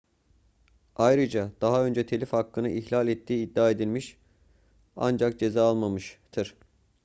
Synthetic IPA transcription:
ajɾɯd͡ʒad̪̥aɦaø̞nd͡ʒɛt̪ʰe̞lʲifhakːɯnɯʔiçlʲalʲɛt̪ʰːiːd̪ːaːe̞d̪ilʲmiʃ | a̰nd͡ʒak̚d͡ʒe̞zaːalˠmamɯʃt̪ʰɯɾ̥

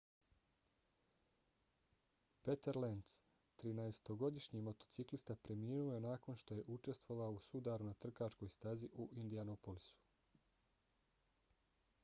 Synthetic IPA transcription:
pet̪eɾlent̪s | t̪ɾinaest̪o̞ɡo̞d̪iʃɲimo̞t̪o̞t̪siklist̪apɾe̞miːnuoje̞naːko̞nʃt̪o̞je̞ʔut͡ʃe̞st̪ʋo̞ʋausud̪aɾunat̪r̩kat͡ʃko̞jst̪aziʔuʔind̪ianopolisu̥

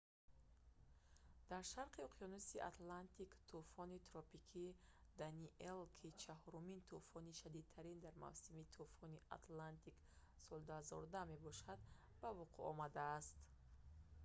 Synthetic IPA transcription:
d̪̥aɾʃaɾqiɔqʰijɔnusiʔa̰t̪lant̪ikt̪ʰufɔnit̪ɾɔpikʰid̪aniʔelkʰit͡ʃʰahɔɾumint̪ʰufɔniʃad̪id̪̚t̪ʰaɾind̪aɾma̰vsimit̪ʰufɔniʔa̰t̪lant̪ik | sɔld̪uhazɔ̰ɾud̪amebɔʃad̪ | bavuqʰuɔ̰mad̪aːst̪

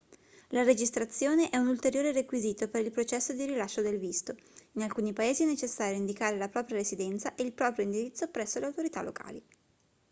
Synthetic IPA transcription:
laɾed͡ʒist̪ɾat̪sːjoːneʔɛunult̪eɾjoːɾerekwiziːt̪opeɾilpɾot͡ʃɛsːod̪iɾilaʃːod̪elvist̪o | inalkuːnipaeːziɛnet͡ʃesːaːɾjoind̪ikaːɾelapɾɔːpɾjaɾezid̪ɛnt̪saʔeilpɾɔːpɾjoind̪iɾit̪sːopɾɛsːoleawt̪oɾit̪alo̰kʰa̰ːli

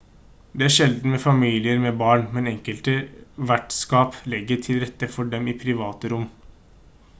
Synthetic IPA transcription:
d̪ɛæʂɛld̪n̩mɛfɑmiːlɪəɾmɛbɑːɳmɛnɛŋkəlt̪əʋæʈskɑːplɛɡːəʈʰɪlɾɛt̪ːəfɔɖɛmɪpʰɾɪʋɑːt̪əɾʊmː

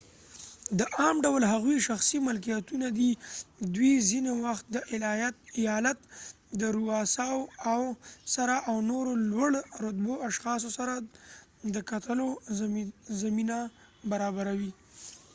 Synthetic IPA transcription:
d̪əʔɑmɖawlɦaɣwiʃaxsimɪlk̬ijat̪unad̪id̪wizinewaxt̪̚d̪əʔɪlɑjat̪̚ɪjɑlat̪ | d̪əɾuɑsɑwawsaɾaʔawnoɾolwaɽɾʊt̪boaʃxɑs̬osaɾa | d̪əkat̪əlo | zamina | baɾɑbaɾawi

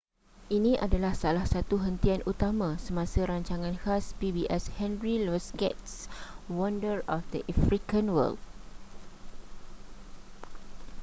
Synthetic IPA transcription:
ʔinĩʔadalahsalahsat̪uɦənt̪ianut̪amãsəmãsaɾaɲt͡ʃaŋãnhaspibiʔɛshɛ̃nɹilɔskɛ̰tswɔ̃ndəɹɔfdəʔafɾikãnwə̰ld

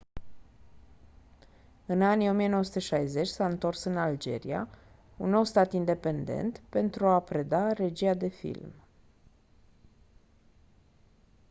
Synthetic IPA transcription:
ɨnanijo̞mijenowəsu̥t̪eʃajze̞t͡ʃʲsaɨnt̪o̞rsɨnald͡ʒe̞̰ɾḭa̰ | unːo̞wst̪at̪ind̪e̞pe̞nd̪e̞̰nt̪pe̞nt̪ɾuapɾe̞d̪are̞d͡ʒiad̪e̞fḭlm

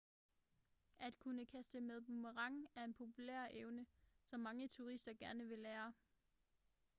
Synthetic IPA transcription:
ʔæd̥kʰunəkʰæsd̥əmeð̞ˠbuməʁɑ̈ŋæɐe̝npʰo̝pʰulḛɐ̰ʔeʊnəsɒ̽mːɑ̈ŋət͡sʰuʁisd̥ɐɡ̥æɐnəʋe̝leːɐ

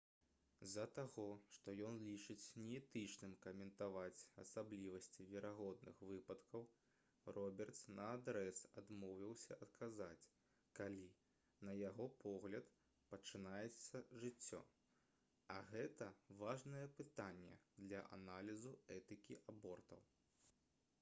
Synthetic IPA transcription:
zɐt̪aɣɔʂt̪ɔjɔnlʲit͡ʂɨt͡sʲnʲɛɛt̪ɨt͡ʂnɨmkɐmʲɛnt̪avat͡sʲɐsablʲivɐsʲt͡sʲivʲɛɾaɣɔd̪̚nɨ̰xvɨpɐt̪kɐw | rɔbʲɛrt̪snɐad̪ɾɛsad̪mɔwvʲiwsʲɐʔɐt̪kʰazat͡sʲ | kalʲi | nɐjaɣɔpʰɔɣlʲɐt̪ | pɐt͡ʂɨnajɛt̪sːɐʐɨt͡sʲːɔ̰ | ɐɣɛt̪ɐvaʐnɐjɛpɨt̪anʲːɛ̰d̪lʲɐ̰ʔa̰nalʲizuɛt̪ɨkʲiʔabɔrt̪ɐ̰w

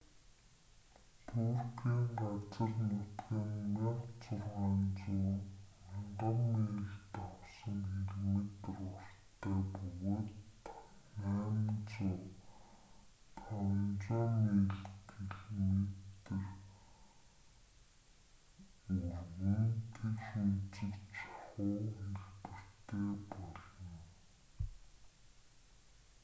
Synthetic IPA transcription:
t̪ʰurxiːɴɢat͡sə̆rnʊt̪ɡiːnmiqt͡sʊrʁaːnt͡suːmaɴɢə̆mːeːɮt̪ɔwsə̆ŋxeɮmet̪̆rʊrt̪ʰːæːpɵɣoːt̪ | næːmt͡sʊː | t̪ʰɔnt͡sɔːmeːɮteɮmet̪ɘ̆r | uɣɘ̆nt̪ʰekʃut͡sɘ̆kt͡ɕɔχʊːxeɮpɘ̆r̥t̪eːpɔɮɞ̆n

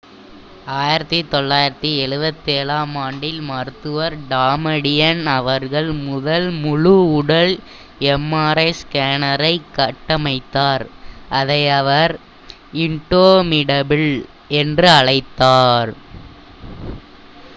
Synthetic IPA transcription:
aːjɪɾɐt̪ːit̪ɔɭːaːjɪɾɐt̪ːiɛɻɯbɐt̪ːeːlaːmaːɳɖɪlmɐɾɯt̪ːɯʋɐɾɖaːmɐɽɪjɐnɐʋɐɾɣɐɭmʊðɐlmʊɻʊʊɽɐl | ɛmːaːɾɐɪskaːnɐɾɐɪkːɐʈːɐmɐɪt̪ːaːɾʔɐðɐɪɐʋɐɾ | ɪɳʈoːmɪɽɐbɪɭ | ɛndrɯɐɻɐɪt̪ːaːɾ

